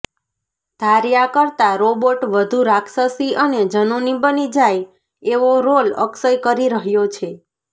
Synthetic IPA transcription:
d̪ʱaɾjakəɾt̪aɾoboʈʋəd̪ʱuɾakʰsəsiʔəned͡ʒənonibənid͡ʒaj | eʋoɾolə̰ksəjkəɾiɾəɦjot͡ʃʰe

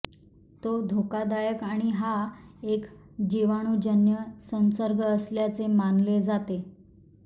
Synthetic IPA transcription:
t̪od̪ʱokad̪ajəkaɽ̃iɦaek | d͡ʑiʋaɽ̃ud͡ʑənjəsənsəɾɡʱəːsljat͡semanled͡zat̪e

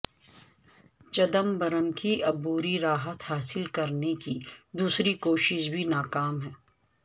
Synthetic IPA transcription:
t͡ʃɐd̪əmbɐɾəmkiʔɐbuːɾiɾaːɦət̪haːsɪlkɐɾnekid̪uːsɾikoːʃɪʃbʱinaːkaːmɦɛː

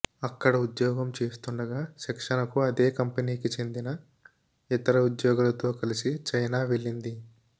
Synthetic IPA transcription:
ɐkːɐɽɐud̪jɔːɡɐmt͡ʃe̞ːst̪uɳɖɐɡaːʃɛkʂɐnɐkuɐd̪e̞ːkɐmpɐniːkit͡ʃe̞nd̪inɐ | it̪ɐɾɐud̪jɔːɡulɐt̪o̞ːkɐlisit͡ʃɐjnaːʋeɭːind̪i

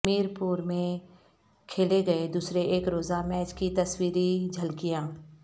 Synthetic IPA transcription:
miːɾpuːɾmẽ | kʰeːleɡɐed̪uːsɾeʔeːkɾoːzamɛːt͡ʃkit̪ɐswiːɾid͡ʒʱɐlkijãː

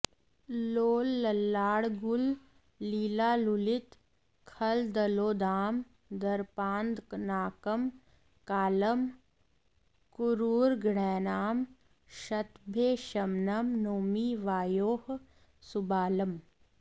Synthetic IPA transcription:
loːlːɐlːaːɽɡʊlː | iːlaːlulɪt̪ | kʰɐld̪ɐloːd̪aːm | d̪ɐɾpaːnd̪knaːkəm | kaːləm | kʊɾuːɾɡɳɛːnaːm | ʃɐt̪bʱeʃɐmnəmnoːmiʋaːjoːɦ | sʊbaːləm

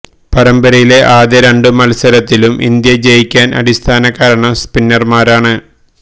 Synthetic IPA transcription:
pɐɾɐmbɐɾɐjile̞ʔaːðeɾeɳɖɨmɐlsɐɾɐt̪ːilumʔḭnd̪jɐd͡ʑejikʲːaːnʔɐ̰ɽist̪ʰaːnɐkːaːɾɐɳɐmspinːɐrmaːɾaːɳɨ

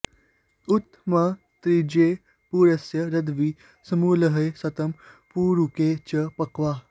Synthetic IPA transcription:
ut̪ːmɐ | t̪ɾid͡ʑeː | puːɾɐsjɐɾɐd̪ʋiː | sɐmuːlɐɦɐjsɐt̪ɐmpuːɾukeːt͡ɕɐpɐkʋaː

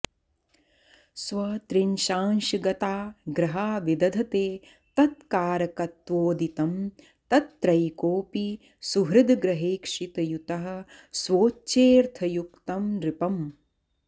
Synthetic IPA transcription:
sʋɐt̪ɾinʃaːnʃiɡɐt̪aːɡɾɐɦaːʋid̪ɐd̪ʱɐt̪eː | t̪ɐt̪̚kaːɾɐkɐt̪ʋoːd̪it̪ɐm | t̪ɐt̪ːɾɐjkoːpi | suɦɾɪd̪ʱɡɾɐɦeːkʂit̪ɐjut̪ɐɦɐ̆ | swoːt͡ʃeːɾt̪ʰɐjukt̪ɐmɾɪpɐm

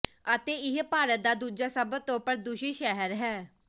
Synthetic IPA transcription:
ət̪eːɪɦpaːɾət̪̚d̪aːd̪uːd͡ʒaːsəbət̪õːpəɾd̪ʊʃiːʃɛɦəɾɦɛː

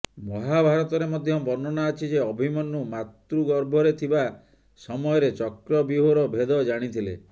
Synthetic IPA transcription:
mɔɦabʱaɾɔt̪ɔɾemɔd̪ʱjɔbɔnɔnaːt͡ʃʰid͡ʒeɔbʱimɔnumat̪ɾuɡɔɾbʱɔɾet̪ʰiba | sɔmɔjɔɾet͡ʃɔkɾɔbiɦoɾɔbʱed̪ɔd͡ʒaɽ̃it̪ʰilḛ

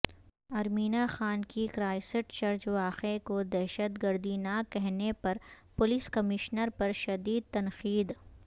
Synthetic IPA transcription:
ɐɾmiːnaxaːnkikɾaːɪsɪʈʃɐɾd͡ʒʋaːxekod̪ɛɦʃət̪ɡəɾd̪inakɛɦnepɐɾ | pʊlɪskɐmɪʃnəɾpɐɾʃɐd̪iːd̪̚t̪ɐnqiːd̪

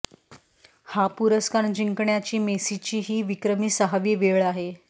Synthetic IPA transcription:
hapuɾəskaɳd͡ʑiŋkɳjat͡ɕiːmesit͡ɕiːɦiːʋikɾəmiːsaɦaʋiːʋeɭaɦe

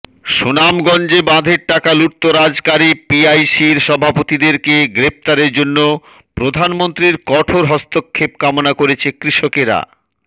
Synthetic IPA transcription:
ʃonamɡɔnd͡ʑebãd̪ʱeɾʈakaluʈ̚t̪ːoɾad͡ʑkaɾipiajsiɾʃɔbʱapot̪id̪eɾkeɡɾep̚t̪aɾeɾd͡ʑonːo | pɾod̪ʱanmont̪ɾiɾkɔʈʰoɾɦɔst̪okʰːep̚kamonakoɾet͡ɕʰekɾiʃokeɾa̰

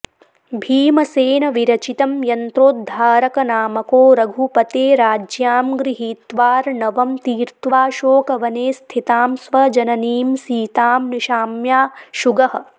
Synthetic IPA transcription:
bʱiːmɐseːnɐʋiɾɐt͡ʃit̪ɐmjɐnt̪ɾoːt̪̚d̪ʱaːɾɐkɐnaːmɐkoːɾɐɡʱupɐt̪eːɾaːd͡ʒjaːmɡɾiɦiːt̪ʋaːɾnɐʋɐmt̪iːɾt̪ʋaːʃoːkɐʋɐneːst̪ʰit̪aːmsʋɐd͡ʒɐnɐniːmsiːt̪aːmniʃaːmjaːʃuɡɐɦɐ̆

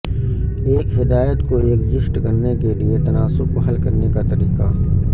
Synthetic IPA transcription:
eːkɦɪd̪aːjət̪koeːkd͡ʒɪsʈkɐɾnekeliet̪ɐnaːsʊb̚koɦɐlkɐɾnekat̪ɐɾiːqa

